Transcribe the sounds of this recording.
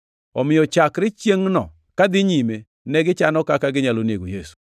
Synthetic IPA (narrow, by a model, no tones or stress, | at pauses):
ɔmɪɔt͡ʃakɾɪt͡ʃjeŋnɔ̰ | kad̪ɪɲime | nɛɡɪt͡ʃanɔkakaɡɪɲalonieɡojesu̥